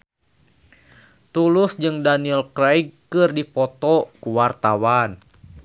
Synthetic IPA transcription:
t̪ulʊsd͡ʒɨŋdaniɛlkɾajɡkɨrdipɔt̪ɔkuwart̪awan

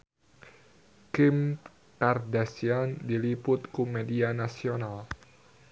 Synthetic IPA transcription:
kɪm | kardasiandilipʊt̪̚kumedianasional

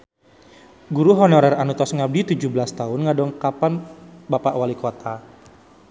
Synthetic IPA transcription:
ɡuɾuɦɔnɔɾɛranut̪ɔsŋab̚dit̪ud͡ʒubəlast̪aʊnŋadɔŋkapanbapaʔwalikot̪ʰa

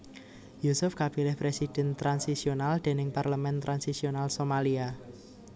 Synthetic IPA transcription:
jusʊfkab̥ilɪhpɾesid̥ɛ̤nt̪ɾansisionald̪̥e̤nɪŋparləmɛnt̪ɾʔansisionalsomalia

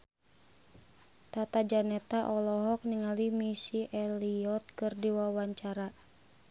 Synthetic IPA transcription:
t̪at̪ad͡ʒanɛt̪aʔɔlɔɦɔk̚niŋalimisiʔɛliɔt̪̚kɨrdiwawaɲt͡ʃaɾa

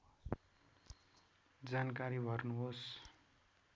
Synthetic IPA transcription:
d͡zankaɾibʱʌrnuɦos

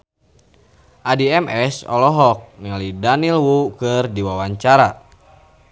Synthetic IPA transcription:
ʔadiɛmʔɛsɔ̰lɔɦɔk̚nilidanilwukɨrdiwawaɲt͡ʃaɾa

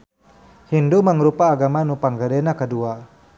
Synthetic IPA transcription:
hinduməŋɾupaːɡamanupaŋɡədɛnakədua

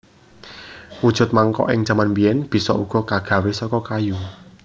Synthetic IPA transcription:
wud̥ʒ̥ʊ̤t̪̚maŋkɔ̰ʔɪŋ̥ʒ̥a̤manbijɛnb̥i̤sɔ̰ʔuɡ̥ɔ̤kaɡ̥ä̤wesɔkɔkaju

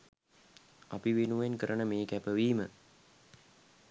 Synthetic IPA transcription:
apiʋenuʋenkəɾʔənəmeːkæpəʋiːmə

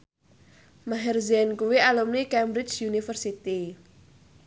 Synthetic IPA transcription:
maɦɛrziɛnkuwialumnikɛmbɾɪt͡ʃjunifərsit̪i

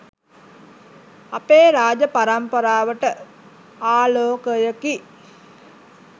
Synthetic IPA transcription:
apeːɾaːd͡ʒəpaɾampəɾaːʋəʈə | aːloːkəjəki

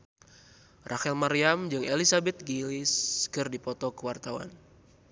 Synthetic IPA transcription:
rʔaxɛlmaɾiamd͡ʒɨŋelisabɛt̪̚ɡiliskɨrdipɔt̪ɔkəwart̪awa̰n

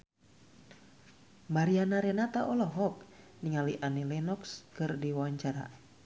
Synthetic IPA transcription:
maɾianaɾɛnat̪aʔɔlɔɦɔk̚ | niŋaliʔanilɛnɔkskɨrdiwaɲt͡ʃaɾa̰

